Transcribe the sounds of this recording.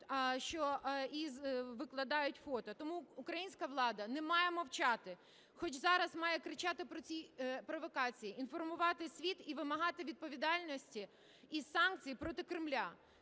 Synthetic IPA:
ʃt͡ʃɔizʋɪklˠɐd̪ɑjʊtʲfɔt̪ɐt̪ɔmuukɾɐjinʲsʲkɐʋlˠɑd̪ɐnɛmɑjɛmɐwt͡ʃɑt̪ɪ | xɔt͡ʃzɑɾɐzmɑjɛkɾɪt͡ʃɑt̪ɪpɾɔt͡sʲipɾɔʋɔkɑt͡sʲijiinfɔrmʊʋɑt̪ɪsʲʋʲit̪iʋɪmɐɦɑt̪ɪʋʲid̪̚pɔʋʲid̪ɑlʲnɔsʲtʲi | iz̥sɑnk̚t͡sʲijpɾɔt̪ɪkɾɪmlʲa

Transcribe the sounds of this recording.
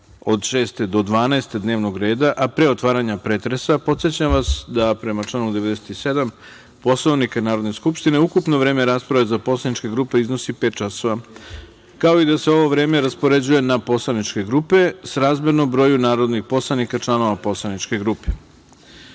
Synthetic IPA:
o̞d̪ʃe̞ːst̪e̞d̪o̞d̪ʋaːnaest̪ed̪neːʋno̞ɡɾe̞ːd̪aʔapɾe̞o̞t̪ʋaːɾaɲapɾeːt̪ɾesapo̞t̪sjet͡ɕamʋasd̪apɾe̞mat͡ʃlˠanud̪e̞ʋe̞d̪ese̥t̪ise̞d̪am | po̞slˠoʋnikanaːɾo̞d̪ne̞skupʃt̪ine̞ukupno̞ʋɾe̞ːme̞ɾaːspɾaʋezapo̞slanit͡ʃkeɡɾupe̞izno̞sipeːt̪̚t͡ʃaso̞ʋa | kao̞id̪ase̞o̞ʋo̞ʋɾe̞ːme̞ɾaspo̞ɾe̞d͡ʑuje̞napo̞slˠanit͡ʃke̞ɡɾuːpe̞sɾaːzmed̪no̞mbɾo̞ːjunaːɾo̞d̪nixpo̞slˠanikat͡ʃlˠano̞ʋapo̞slˠanit͡ʃke̞ɡɾupe

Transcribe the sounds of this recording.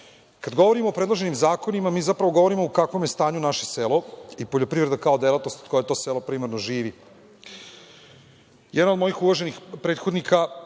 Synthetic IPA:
kad̪ɡo̞ʋo̞ɾimoːpɾed̪loʒe̞nimzaːko̞nimamiːzapɾaʋoɡo̞ʋoɾimoukakʋomjest̪aːɲunaʃeselˠoipoʎopɾiʋɾed̪akaod̪elˠat̪no̞st̪od̪ko̞jet̪o̞ːselopɾimaɾnoʒiːʋi | jɛd̪naod̪mo̞jixuʋaʒe̞nixpɾe̞ːt̪xo̞d̪nikʰa

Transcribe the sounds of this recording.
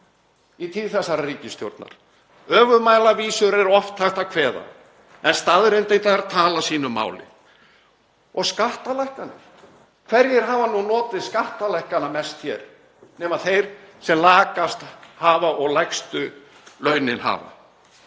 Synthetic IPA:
it̪ʰiːðθɛsːaɾariːcɪst̪jo̰wɾt̪na̰ɾ̥ | œːvʏmaːjlaviːsʏɾɛɾɔft̪θɛht̪akʰvɛːða̰ | ɛnst̪aðɾɪnt̪ejnt̪aaɾat̪ʰaːlasiːnʏmːa̰ːwlɪ̰ð | ɔɣskaht̪alɛjhkanːɪ̥ | kʰvɛɾjɪɾ̥ɦaːvanunɔːt̪ɪðskaht̪alɛjhkanamɛst̪çɛ̰ɾ | nɛːmaðθejɾ̥sɛmlaːkast̪haːvaɔɣlɛkst̪ʏ | lœːɥnɪnha̰ːva̰

